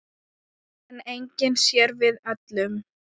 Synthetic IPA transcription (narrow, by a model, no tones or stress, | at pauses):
ɛnejɲcɪnsjɛɾvɪðat̪lʏm